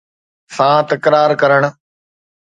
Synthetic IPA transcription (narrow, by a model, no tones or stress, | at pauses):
sãːt̪ɐkɾaːɾkɐɾəɽ̃